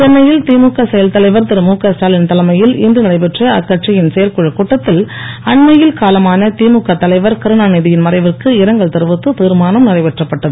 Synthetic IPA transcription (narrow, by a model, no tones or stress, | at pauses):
kɐnmɐjɪlt̪iːmukːɐsɛjɐlt̪ɐlɐɪʋɐɾt̪ɪɾɯmuːkɐsaːlɪnt̪ɐlɐmɐjɪlɪndrɯnɪɾɐɪpɛʈrɐɐ̰kːɐʈ̚t͡ʃɐjɪnsɛjɐɾkʊɻɐkːuːʈːɐt̪ːɪl | ɐɳmɐjɪlkaːlɐmaːnɐt̪iːmukːɐt̪ːɐlɐɪʋɐɾkɐɾɯɳaːnɪðɪjɪnmɐɾɐɪʋɪrkɯɪɾɐŋɡɐɭt̪ɪɾɯʋɯt̪ːɯt̪iːɾmaːnɐmnɪrɐɪpɛʈrɐpːɐʈːɐðɯ